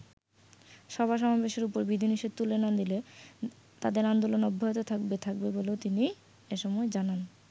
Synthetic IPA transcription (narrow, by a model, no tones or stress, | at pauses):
ʃɔbʱaʃ̬ɔmabeʃeɾupoɾbid̪ʱiniʃed̪̚t̪ulenad̪ile | t̪ad̪eɾand̪olonɔbʱːaɦot̪ot̪ʰak̚bet̪ʰak̚beboleot̪ini | eʃɔmɔed͡ʑanan